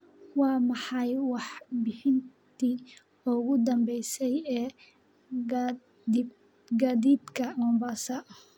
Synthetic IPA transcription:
wɑːmɑħɑjwɑħbɪħɪnt̪ʰiː | ʊɣʊd̪ɐmbɛjsɛjɛː | di | ɡaːd̪iːd̪kʰɐmɔmbasɐʔɐh

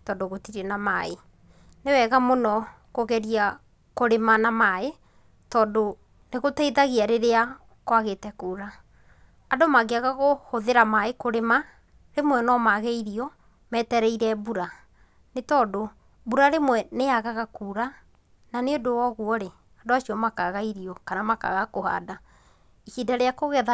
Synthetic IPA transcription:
tɔdoɣotiɾɛnamae | newɛɣamonɔ | koɣɛɾia | koɾemanamae | tɔːndo | neɣotɛiðaɣeaɾeɾea | kwaɣetɛkuːɾaː | domaɡeaɣaɣohoðeɾamaekoɾema | ɾemwɛnɔmaɣɛiɾiɔ | mɛːtɛɾɛiɾɛbuɾa | netɔːdo | buɾaɾemwɛneaɣaɣakuːɾa | naneodowɔɣuɔɾe | adoaʃiɔmakaɣaiɾiɔkanamaka̰ɣakoha̰da | ikidaɾeakoɣɛða

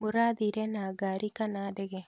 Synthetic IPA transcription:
mʊɾaːd̪iɾenaːɡaːɾikanaːdɛɡe

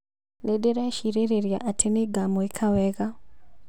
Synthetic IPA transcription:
nedeɾaeʃiɾeɾeɾjaʔatʰeneɡaːmoekʰawɛɣa

